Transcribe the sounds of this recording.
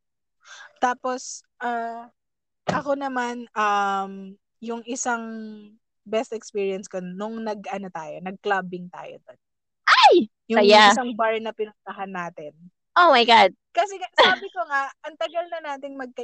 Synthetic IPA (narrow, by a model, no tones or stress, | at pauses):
t̪aːpo̞sʔa | ʔɐko̞nɐmanɐm | jʊŋʔɪsaŋ | bɛst̪ɛkspiːɹiɐnskonʊŋnɐɡʔɐnot̪aːjonɐɡ̚klabɪŋt̪a̰ːjo̰d̪on | ʔaj | jʊɐŋjasɐŋbaɹnɐpɪnʊnt̪ɐɦɐnːaːt̪ɪn | ʔomajɡad̪̚kɐsɛsaːbɪkoŋaʔʔɐŋt̪ɐɡɐlnɐnaːt̪ɪŋmɐɡ̚kɐ